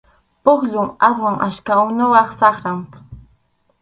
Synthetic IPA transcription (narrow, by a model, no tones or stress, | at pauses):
pʊχʎʊŋaswaŋʔaʃkaʊnʊwɑχsɑχɾam